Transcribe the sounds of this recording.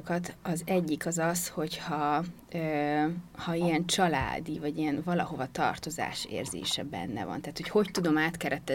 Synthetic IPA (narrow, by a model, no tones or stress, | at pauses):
kɒt̪ɒzɛɟːikɒzɒsho̞chɒ | øːhɒiɛnt͡ʃɒla̰ːd̪ivɒɟiɛnvɒlɒɦo̞vɒt̪ɒ̰rt̪o̞za̰ːʃḛːrzḛːʃɛbɛ̰nːɛ̰vɒ̰nt̪aːt̪ho̞cho̞ct̪ud̪o̞maːt̪kɛɾɛt̪ːɛ